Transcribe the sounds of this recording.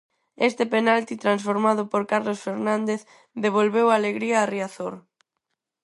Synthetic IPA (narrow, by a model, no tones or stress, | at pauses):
est̪epenalt̪it̪ɾans̬foɾmaðʊpoɾkaɾlosfeɾnãnd̪eθ | ðeβ̞olβewaːleɣɾiaːriaθoɾ